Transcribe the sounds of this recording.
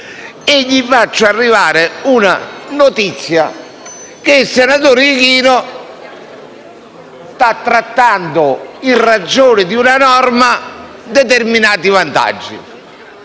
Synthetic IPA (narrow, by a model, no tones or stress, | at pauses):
eʎːifat͡ʃːʊarːivaːɾɪunanot̪it̪sːja̰ | kɪisɛnat̪̬oːɾkiːnʊ | st̪at̪ːɾat̪ːand̪ʊinrad͡ʒːoːnɪd̪iunanɔrma | d̪ɛt̪ɛrminaːt̪ivant̪a̰d͡ʒːḭ